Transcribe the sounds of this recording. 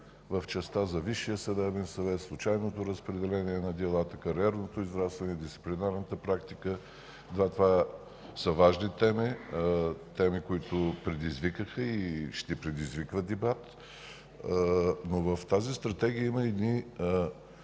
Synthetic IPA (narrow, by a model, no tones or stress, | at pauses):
vəft͡ʃɛst̪azɐviʃːijəsɐd̪ɛbɛnsɐvɛt̪slˠʊt͡ʃajnot̪oɾəspɾɛd̪ɛlɛniɛnɐd̪ɛlˠat̪əkɐɾiɛɾnot̪oizvɾat̪svɐnɛd̪ist̪i̥plinaɾnət̪əpɾakt̪ikə | d̪vat̪ova | səvaʒnit̪ɛmi | t̪ɛmikoit̪ʊpɾɛd̪izvikəxəiʃt̪ɛpɾɛd̪izvikvəd̪ɛbat̪ | novəft̪azist̪ɾɐt̪ɛɡ̟ijəiməɛd̪ni